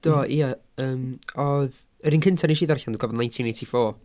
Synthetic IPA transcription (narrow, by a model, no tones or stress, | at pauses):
d̥ɔʔiə | əːmɔð | əɾiːnkʰɪntʰaɾinʃiːðarçanduːɡɔvɔdnãjntʰinejtʰifɔː